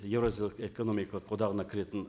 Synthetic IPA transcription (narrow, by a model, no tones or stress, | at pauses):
jevɾazʲijlˠəkekonomijkʰɑlˠəqʰod̪ɑʁənɑkʲʰɪɾe̞t̪ɪn